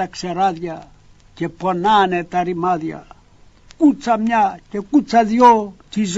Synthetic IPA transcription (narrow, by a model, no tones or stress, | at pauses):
akseɾaðja | keponanet̪aɾimaðja̰ | kut͡samjakekut͡saðjot͡ʃiz